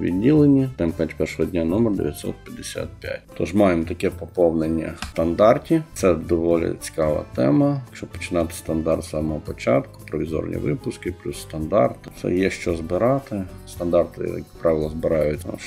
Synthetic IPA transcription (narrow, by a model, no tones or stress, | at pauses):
ʋʲḭdʲːilˠenʲit̪ɛmpjʲatʲpɛrʃɔɦɔdʲnʲanɔmɛrd̪eʋʲjɐt̪ʲsɔ̰t̪̚pʲjɐd̪esʲa̰t̪̚pʲja̰tʲt̪ɔʒmɑjemt̪ɐkɛpɔpɔwnenʲːɐ̰t̪ɐnd̪ɑrtʲit̪sɛd̪ɔʋɔlʲɪ̰t͡sʲi̥kɑʋɐ̰t̪ɛmɐt͡ʃɔbpɔ̥t͡ʃɪnɑt̪ɪ̥st̪ɐnd̪ɑrt̪sɑmɔɦɔpɔt͡ʃɑt̪kʊ̥pɾɔʋʲizɔ̰rnʲʔḭʋɪpʊskɪplʲusːt̪ɐnd̪ɑ̰rt̪t̪sɛ̰jɛʃt͡ʃɔzbɪɾɑt̪ɪst̪ɐnd̪ɑrt̪ɪ̰ɐ̰kpɾʔɑʋʲɪlˠɐzbɪɾɑjʊtʲ